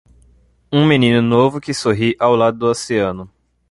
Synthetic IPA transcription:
ũminĩnʊnovʊkɪsoɦiʔawlad̪ʊd̪ʊaseɐ̃nʊ

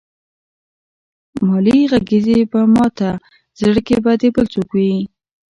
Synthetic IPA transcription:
mɑliɣaɡizebəmɑt̪a | zɽəkebad̪ebəlt͡sukwi

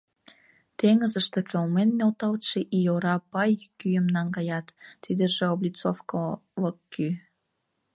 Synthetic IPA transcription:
t̪eŋəzəʃt̪ekʰelmenːelt̪ɑlt̪ʃeʔijoɾɑpɑjkyjəmnɑŋɡɑjɑt̪ːid̪əʒeoblʲit͡sofkoləkːy

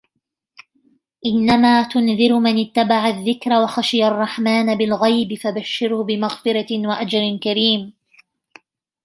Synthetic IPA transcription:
ʔɪnːamaːt̪ʊnðɪɾmanɪt̪ːabaʕaðːɪkɾawaxaʃɪjarˤːɑħmaːnabɪlɣajbɪfabaʃːɪɾhʊbɪmaɣfɪɾɑwaʔad͡ʒɾɪnkaɾiːm

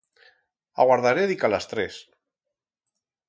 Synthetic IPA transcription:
a̰ɣwaɾðaɾeðikalast̪ɾɛs

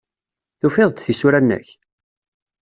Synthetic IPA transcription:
θufɪðˤd̪θisuɾænːə̰ç

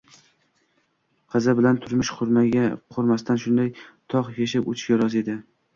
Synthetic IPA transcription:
qʰɨzabɪlant̪ʰʊɾmɪʃqʰʊɾmaɡʲaqʰoɾmast̪anʃʊnd̪ajt̪ʰɒqjeʃ̬ɪpo̰t͡ʃʰɪ̥ʃkʲaɾɒze̞d̪ɪ

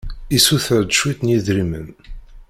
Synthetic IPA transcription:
isuθəɾd̪əʃwiθnjiðɾimə̰n

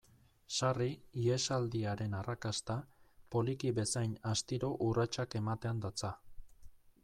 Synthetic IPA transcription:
sariie̞sald̪iaɾe̞narakast̪apo̞likiβe̞sajnast̪iɾo̞ʔurat͡ʃake̞mat̪e̞and̪at͡sa

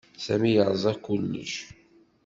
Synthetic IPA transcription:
sæmijəɾˤzˤɑkulnḭʃ

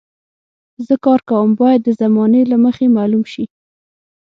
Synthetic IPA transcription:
zəkɑɾkawəmbɑjad̪ːəzamɑnelaməxemɑlumʃi

